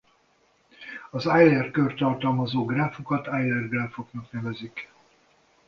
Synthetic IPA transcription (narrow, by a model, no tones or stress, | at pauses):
ɒzajlɛrkørt̪ɒrt̪ɒlmɒzoːɡraːfokɒt̪ajlɛrɡraːfoknɒknɛvɛzik